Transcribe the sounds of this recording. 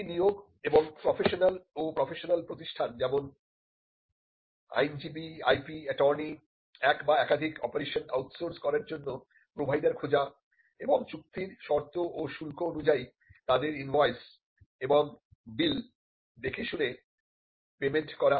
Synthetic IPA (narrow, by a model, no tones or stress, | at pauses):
nioɡ | eboŋpɾɔfʰeʃonalopɾɔfʰeʃonalpɾot̪iʃʈʰand͡ʑɛmon | a̰jnd͡ʑibiajpiɛʈɔɾni | ɛkbaɛkad̪ʱikɔ̰poɾeʃona̰wʈsoɾskɔɾaɾd͡ʑonːo | pɾobʱajd̪aɾkʰod͡ʑa | eboŋt͡ɕuk̚t̪iɾʃɔɾt̪oʔoʃulkoonud͡ʑai | t̪ad̪eɾinvajs | eboŋ | bil | d̪ekʰeʃune | pemenʈkɔɾa